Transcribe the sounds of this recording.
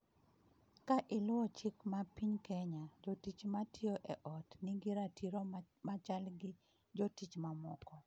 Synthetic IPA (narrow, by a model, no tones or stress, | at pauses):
kaʔɪlʊɔt͡ʃɪkmapiɲkɛɲad͡ʒotit͡ʃmatʰioʔɛʔɔtnɪɡiɾatʰiɾo | mat͡ʃalɡɪ | d͡ʒotit͡ʃmamɔkɔ